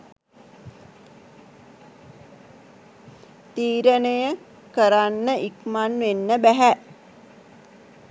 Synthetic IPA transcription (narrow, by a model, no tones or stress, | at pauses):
t̪iːɾənəjə | kəɾanːəʔikmanʋenːəbæɦæ